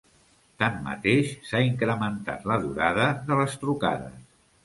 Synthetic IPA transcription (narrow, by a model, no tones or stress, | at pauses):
t̪amːə̰t̪eʃsaiŋkɾəmənt̪a̰t̪ləðuɾaðəðələst̪ɾuka̰ðə̰s